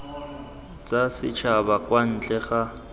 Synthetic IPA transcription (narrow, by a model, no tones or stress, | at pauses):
t͡sʼasɪt͡ʃʰabakwan̩t͡ɬʼɛχa